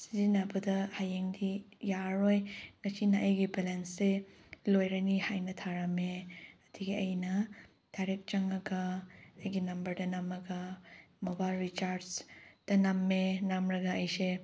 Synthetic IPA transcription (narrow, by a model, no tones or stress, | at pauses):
si̥zinabɐdɐhajeŋdi | jaɾojŋɐsinɐʔɐjɡibelensːe | lojɾanihajnɐtʰaɾameɐdʰiɡiɐjnɐ | d̥ajɾek̚t͡ʃɐŋɐɡɐːjɡinɐmbɐɾdɐnamɐɡɐmobajlɾit͡ʃaɾsd̥ɐnamːenamɾɐɡɐɐjse